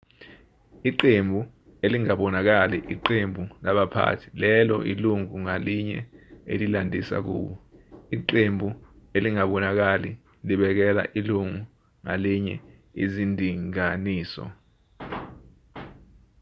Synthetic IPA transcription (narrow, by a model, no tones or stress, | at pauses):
iǃembʱu | eliŋaɓɔnak̬aliʔiǃembʱulaɓapʰa̰tʰi̥lɛlɔ̰ʔḭluŋuŋaliɲɛ̰ḛlilandʱisa̰k̬ṵːɓɔiǃembʱueliŋaɓɔnak̬ali | liɓɛk̬ɛla̰ʔiluŋu | ŋa̰liɲɛ | ḭzindʱiŋaniːsɔ̰